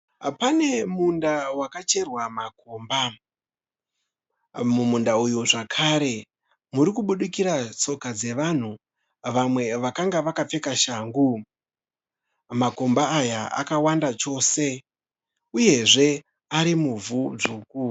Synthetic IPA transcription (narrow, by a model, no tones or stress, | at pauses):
pane̞mundawakat͡ʃe̞rwamako̞ːmba | mumundaujuʐakʰaɾe̞ | muɾikuɓuɗikiɾat͡so̞kad͡ze̞ʋan̤u | ʋamwe̞ʋakaŋɡaʋakap͡fe̞kaʃaːŋɡu | mako̞mbaːjaa̰kawandat͡ʃo̞ːse̞ | uje̞ʐe̞ | aɾimuvud͡ʐuːku